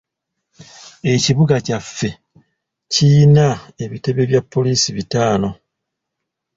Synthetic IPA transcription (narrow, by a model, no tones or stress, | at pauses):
e̞ciβuɡacafːe̞ | cijinae̞βite̞βe̞βjapːo̞liːsiβitaːno̞